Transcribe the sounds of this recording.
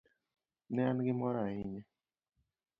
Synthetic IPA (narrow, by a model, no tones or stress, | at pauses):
nɛanɡɪmɔɾaɪɲɛ